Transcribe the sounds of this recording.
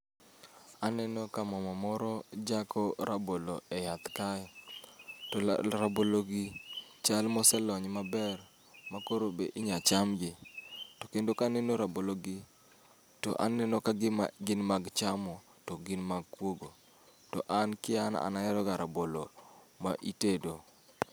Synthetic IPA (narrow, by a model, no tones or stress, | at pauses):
anɛnokamɔmamɔɾɔd͡ʒakʰɔɾaboloejat̪kajɔ | tɔɾaboloɡɪt͡ʃalmɔsɛlɔɲmabɛr | makoɾobeʔiɲat͡ʃamɡɪtokendokanɛnoɾaboloɡɪ | tɔ̰ʔa̰nːɛnokaɡɪnmaɡt͡ʃamɔ | tɔɡɪnmaɡkwoɡo | tɔ̰ʔankɪana̰naɛɾɔɡaɾabolo | maʔitedo